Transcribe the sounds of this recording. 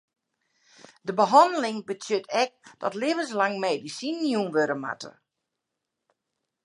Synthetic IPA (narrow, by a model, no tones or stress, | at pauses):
dəbəɦɔndəlɪŋbətʰjøtʰɛk̚d̥ɔtlevənslaŋmeːdisinjunʋøɾəma̰tə̰